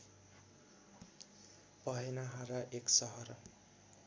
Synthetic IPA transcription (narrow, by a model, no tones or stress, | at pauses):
pʌɦenaɦaɾaʔeksʌɦʌr